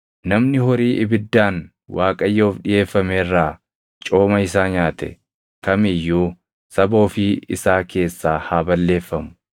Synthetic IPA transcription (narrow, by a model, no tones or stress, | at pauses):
nɐmnɪɦɔɾiːʔɪbɪd̪ːaːn | waːkʼɐjːo̞ːfᶑɪje̞ːfːɐmeːrːaː | t͡ʃʼo̞ːmɐɪs̬aːɲaːt̪ɛ̰ | kɐmɪjːuː | sɐbo̞ːfɪɪsaːke̞ːsːaːhaːbɐlːe̞ːfːɐmʊ̥